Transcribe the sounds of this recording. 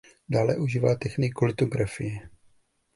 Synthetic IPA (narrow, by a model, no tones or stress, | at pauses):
daːlɛ̰ʔuʒiːvaːt̪ɛxniːkolɪt̪oɡɾafɪjɛ